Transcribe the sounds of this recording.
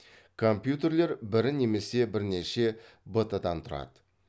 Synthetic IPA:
kʰo̞mpjut̪e̞ɾle̞ɾbɪɾɪne̞me̞se̞bɪɾne̞ʃe̞ | bət̪əd̪ɑnt̪ʰʊɾɑ̰d̪̥ə̥

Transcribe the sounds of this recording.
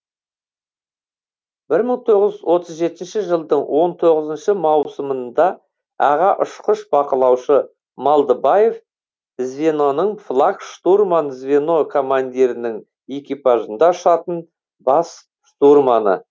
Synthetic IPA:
bɪɾməɴt̪ʰo̞ʁəzzwo̞t̪ʰəzʒe̞t̪ɪnʃɪʒəlˠd̪əɴwʔo̞nt̪ʰo̞ʁəzənʃəmɑwsəmənd̪ɑ | ɑʁɑʔʊʃqəʃbɑqəlˠɑwʃə | mɑlˠd̪əbaje̞v | zvʲe̞no̞nəɴflˠakʃt̪urmanzvʲeno̞kʰo̞mand̪ʲiɾɪnɪŋ | e̞kʲijpaʒənd̪ɑʊʃɑt̪ən | bɑs | ʃt̪urmanə̰

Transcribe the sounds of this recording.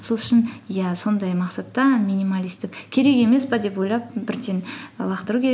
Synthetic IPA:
so̞lˠʏʃɪnjæso̞nd̪ɑjmɑqsɑt̪ːɑmʲinimalʲist̪ɪkʲkʲʰe̞ɾe̞ke̞me̞sbɑd̪e̞pwo̞jlˠɑp̚bɪɾd̪enlˠɑqt̪əɾukʲʰeɾ

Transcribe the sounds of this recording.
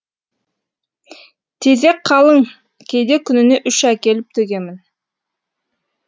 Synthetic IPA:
t̪ʰezekqʰːɑlˠəŋ | kʲʰe̞jd̪ekʲʰʏnɪne̞ʔʏʃækʲe̞lɪp̚t̪ʰɵɡʲe̞mɪn

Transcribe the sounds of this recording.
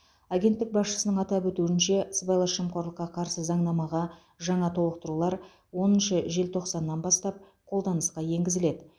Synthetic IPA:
aɡʲe̞nt̪ːɪk̚bɑsʃə̥sənəɴɑt̪ɑpwɵt̪uɪnʃe̞sbɑjlˠɑʃəmqo̞ɾlˠəqːɑqʰɑɾsəzɑɴnɑmɑʁɑ | ʒɑɴɑt̪ʰo̞lˠəq̚t̪əɾulˠɑɾ | wo̞nənʃəʒe̞lt̪ʰo̞qsɑnːɑnbɑst̪ɑp̚ | qʰo̞lˠd̪ɑnəsqɑje̞ŋɡʲɪzɪle̞d̪ɪ

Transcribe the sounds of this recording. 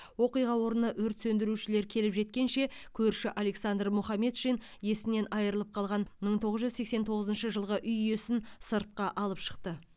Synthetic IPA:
wo̞qijʁɑwo̞ɾənɑʔɵɾt̪sɵnd̪ɪɾuʃɪle̞ɾkʲʰe̞lɪpʒe̞t̪̚kʲe̞nʃe̞kʲʰɵɾʃɪʔale̞ksand̪rmʊχɑme̞t̪ʃin | je̞sɪne̞nʔɑjəɾəlˠəp̚qʰɑlˠʁɑnməɴt̪ʰo̞ʁəzʒʏzse̞ksent̪ʰo̞ʁəzənʃəʒəlˠʁəʔʏjjesɪnsəɾt̪̚qɑʔɑlˠəpʃə̥q̚t̪ə

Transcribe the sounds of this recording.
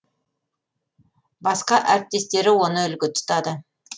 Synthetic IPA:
bɑsqɑʔæɾɪp̚t̪e̞st̪e̞ɾɪwo̞nəʏlɡʲɪt̪ʰʊ̥t̪ɑd̪ə

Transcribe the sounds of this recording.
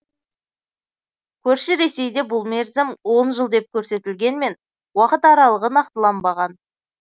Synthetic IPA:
kʲʰɵɾʃɪɾe̞se̞jd̪e̞bʊlˠmeɾzɪmwo̞nʒəlˠd̪e̞p̚kʲʰɵɾse̞t̪ɪlɡʲe̞nme̞n | wɑqət̪ɑɾɑlˠəʁənɑq̚t̪əlˠɑmbɑʁɑn

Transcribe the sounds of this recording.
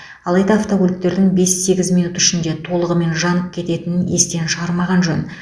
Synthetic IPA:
ɑlˠɑjd̪ɑːft̪oɡolʲikt̪e̞ɾd̪ɪŋbe̞sːe̞ɡʲɪzmijnut̪ʏ̥ʃɪnd̪e̞t̪ʰo̞lˠəʁəme̞nʒɑnəp̚kʲʰe̞t̪e̞t̪ɪnɪne̞st̪e̞nʃəʁɑɾmɑʁɑnʒɵn

